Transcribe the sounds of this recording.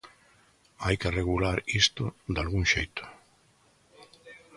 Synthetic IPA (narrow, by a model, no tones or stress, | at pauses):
ajkereɣulaɾist̪ʊd̪alɣuŋʃejt̪ʊ̥